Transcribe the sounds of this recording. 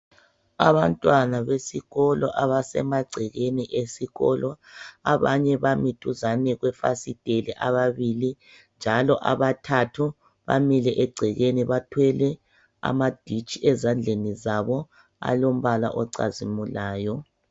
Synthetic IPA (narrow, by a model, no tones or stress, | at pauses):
aβantʼwanaβesiɣɔlɔʔaβasɛ̰maɡ͡ǀʱɛɣeniʔesiɣɔ̰lɔaβaɲɛβamitʰuzanɛɣwɛfa̰sid̥ʱelɛʔaβaβili | nd͡ʒʱalɔʔaβatʰatʰu | βa̰milɛʔɛɡ͡ǀʱɛɣeniβatʰwɛlɛ | a̰mad̥ʱit͡ʃʼiʔɛzand͡ɮʱenizaβɔ | a̰lom̩βala̰ʔɔǀa̰zimulaːjɔ